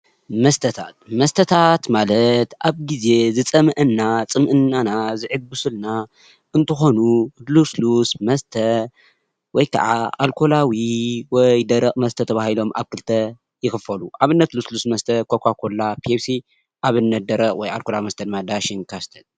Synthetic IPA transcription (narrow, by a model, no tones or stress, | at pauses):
mɐst̪ʰɐt̪ʰa̰t̪̚mɐst̪ʰɐt̪ʰat̪malɐt̪ʔaβɡize̞zɨt͡sʼɐmɐʔɨnːat͡sʼɨmʔɨnːanazɨʕɨbɨsɨlna | ʔɨnt̪ʰɨxo̞nuluslusmɐst̪ʰɐ | wɔjkʰa̰ʕaalkʰo̞lawiwɔjd̪ɐɾɐχʼmɐst̪ʰɐt̪ʰɐβahilo̞mʔa̰βkɨlt̪ʰɐ | jɪxɨfɐluʔaβɨnːɐt̪luslusmɐst̪ʰɐkʰokʰakʰo̞lapʰiefsi | ʔaβɨnːɐt̪̚d̪ɐɾɐʔʼwɔja̰lkolawimɐst̪ʰɐd̪ɨmːad̪aʃinkʰast̪ʰɐl